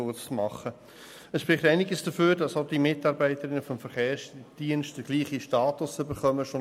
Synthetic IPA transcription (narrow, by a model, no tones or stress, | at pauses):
ʊt͡smɑχːə | əsʃpʁɪχtæɪnɪɡəsd̥əføːɾd̥ɑsod̥imɪtɑɾbæɪtəɾɪnːəfɔmfəɾχeːsd̥iːənstd̥əɡ̥liːχiʃtɑːtʊsʏbəɾχœməʃo